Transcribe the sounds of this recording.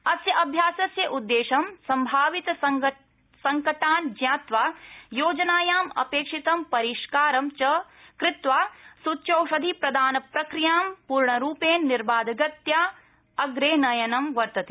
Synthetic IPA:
ɐsjɐʔɐbʱjaːsɐsjɐʔud̪ːeːʃɐmsɐmbʱaːʋit̪ɐ | sɐŋkɐʈaːnd͡ʒjaːt̪ʋaːjoːd͡ʒɐnaːjaːmɐ̰peːkʂit̪ɐmpɐɾiːʂkaːɾɐmt͡ʃɐ | kɾɪt̪ʋaːsut̪ːt͡ʃɐwʃɐd̪ʱipɾɐd̪aːnɐpɾɐkɾijaːmpuːɾɳɐɾuːpeːnːiɾbaːd̪ʱɐɡɐt̪jaː | ɐɡɾeːnɐjɐnɐmʋɐɾt̪ɐt̪i̥

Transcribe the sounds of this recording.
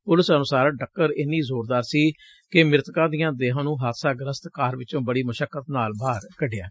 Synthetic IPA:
pʊlɪsənʊsaːɾɖəkːəɾeːniːzoːɾd̪aːɾsiː | kɪmɪɾt̪kãːd̪ijãːd̪eːɦãːnũːɦaːt̪saːɡəɾəst̪kaːɾʋɪt͡ʃõːbəɽiːməʃəkːət̪naːlbaːɾkəɖeaː

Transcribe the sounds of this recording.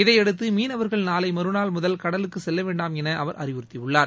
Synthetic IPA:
ɪðɐɪɛɽɯt̪̬ːɯmiːnɐʋɐɾɣɐɭnaːlɐɪmɐɾɯnaːlmʊðɐlkɐɽɐlɯkːɯsɛlːɐʋeːɳɖaːmɛnɐʔɐʋɐɾʔɐ̰rɪʋʊɾt̪ːiʊɭːaːɾ

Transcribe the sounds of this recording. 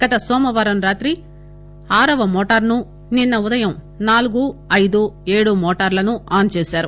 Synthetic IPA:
ɡ̥ɐt̪ɐsɔːmɐʋɐɾɐmɾaːt̪ɾi | aːɾɐʋɐmɔːʈɐɾnu | ninːɐud̪ɐjɐm | naːluɡuɐjd̪ue̞ːɽumɔːʈɐɾlɐnuaːnt͡ʃeːʃaːɾu

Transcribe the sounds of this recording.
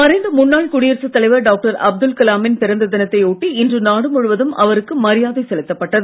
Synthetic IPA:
mɐɾɐɪnd̪ɐmʊnːaːɭkʊɽɪjɐɾt͡ʃːɐt̪ːɐlɐɪʋɐɖaːk̚ʈɐɾɐ̰b̚d̪ɯlkɐlaːmɪnpɪɾɐnd̪ɐd̪ɐnɐt̪ːɐɪuːʈːiɪndrɯnaːɽɯmʊɻɯʋɐðɯmʔɐ̰ʋɐɾɯkːɯmːɐɾɪjaːðɐɪsɛlɯt̪ːɐpːɐʈːɐðɯ

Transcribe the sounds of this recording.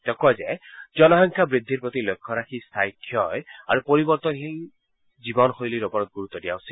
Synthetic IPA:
t̪ɛkɔjzɛzɔnɔɦɔŋkʰabɹid̪ʱːiɹpot̪ilojkʰːɔɹaxʰist̪ʰajkʰːjɔja̰ɹupoɹibɔɹt̪ɔnxil | zibɔnxojliɹɔpɔɹɔt̪̚ɡuɹut̪ːɔdijaʊsi

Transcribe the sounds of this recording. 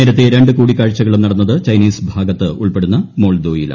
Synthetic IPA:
eːɾɐt̪ːeɾe̞ɳɖɨkuːɽikɐːɻt͡ɕːɐɣɐɭumnɐɽɐnːɐðɨt͡ɕɐjniːsbʱaːɡɐt̪ːɨʔṵɭpe̞ɽunːɐmoːɭd̪oːjilɐ̰

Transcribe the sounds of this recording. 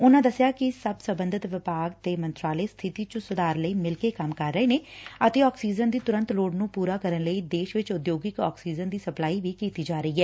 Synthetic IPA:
ʊnãːd̪əsɪjaːkɪsəbsəbənd̪ʱɪt̪ʋɪpaːɡt̪eːmə̃nt̪ɾaːleːst̪ʰɪt̪iːt͡ʃõsʊd̪aːɾləiːmɪlkeːkəmkəɾːəeːneːət̪eːɔːksiːd͡ʒənd̪iːt̪ʊɾə̃nt̪loːɖnũːpuːɾaːkəɾənləiːd̪eːʃʋɪt͡ʃʊd̪joːɡɪkɔ̰ːksiːd͡ʒənd̪iːsəplaːiːʋiːkiːt̪iːd͡ʒaːɾəiːɦɛː

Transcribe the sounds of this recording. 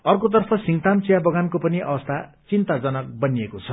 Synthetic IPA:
ʌrkot̪̬ʌrpʰʌsiŋʈ̪amt͡sijabʌɡankopʌniʔʌ̰bʌst̪ʰat͡sint̪ad͡zʌnʌk̚bʌniekot͡sʰʌ

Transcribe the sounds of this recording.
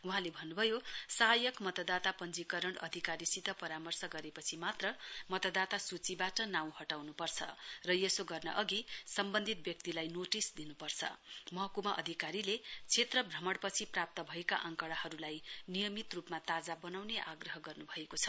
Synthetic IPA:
uɦãlebʱʌnːubʱʌjosaɦajʌkmʌt̪ʌd̪at̪apʌnd͡zikʌɾʌɽʌ̰d̪ʱikaɾisit̪ʌpʌɾamʌrsʌɡʌɾepʌt͡sʰimat̪rʌmʌt̪ʌd̪at̪asut͡sibaʈʌnaw̃hʌʈawnupʌrt͡sʰʌ̰rʌjesoɡʌrnʌ̰ʔʌɡisʌmbʌnd̪ʱit̪̚bjʌk̚t̪ilajnoʈisd̪inupʌrt͡sʰʌ̰mʌɦʌkumʌʔʌ̰d̪ʱikaɾilet͡sʰet̪rʌbʱrʌmʌɽpʌt͡sʰiprap̚t̪ʌbʱʌeka̰ʔʌŋkʌɽahʌɾulajnijʌmit̪rupmat̪ad͡zabʌnawneʔaɡrʌɦʌɡʌrnubʱʌekot͡sʰʌ̥

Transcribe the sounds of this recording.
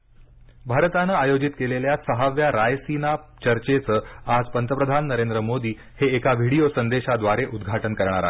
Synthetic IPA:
bʱaɾt̪anəajod͡ʑit̪keleljasəɦaʋjaɾajsina | t͡ɕəɾt͡ɕet͡səad͡zpənt̪ʰəpɾəd̪ʱanːəɾend̪ɾəmod̪iː | heːkaʋʱiɽijosənd̪eɕad̪ʋaɾeʔud̪ɡʱaʈənkəɾɳ̃aɾa̰ɦe

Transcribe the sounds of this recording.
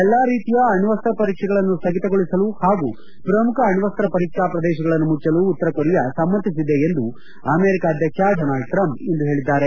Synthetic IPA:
ɛlːaːɾiːt̪ijɐːɳuʋɐst̪ɐɾɐpɐɾiːkʂɛɡɐɭɐnːust̪ɐɡit̪ɐɡoɭisɐluhaːɡṵː | pɾɐmukʰɐːɳuʋɐst̪ɾɐpɐɾiːkʂaːpɾɐd̪ɛːʃɐɡɐɭɐnːumut͡ʃːɐluːt̪ːɐɾɐkoɾijɐsɐmːɐnt̪ʰisid̪ːe̞end̪u | ɐmeːɾikaːd̪ʱjɐkʂʰaɖɐnaːlɖ̚ʈɾɐmpe̞nd̪uɦeːɭid̪ːaːɾe̞

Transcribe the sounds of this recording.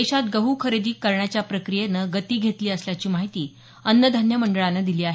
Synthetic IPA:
eɕat̪ɡəɦukʰəɾed̪iːkːəɾɳjat͡ɕjapɾəkɾijenəɡət̪iːɡʱet̪liːəsljat͡ɕiːmaɦit̪iː | ənːəd̪ʱanjəməɳɖəɭanəd̪iliːaɦe

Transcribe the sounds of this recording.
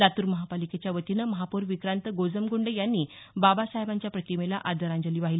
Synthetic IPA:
lat̪uːɾməɦapaliket͡ɕjaʋət̪inəməɦapuɾʋikɾant̪əɡod͡zəmɡuɳɖəjanːiː | babasaɦebaɲt͡ɕjapɾət̪imelaʔad̪əɾãɲd͡ʑəliːʋaɦil

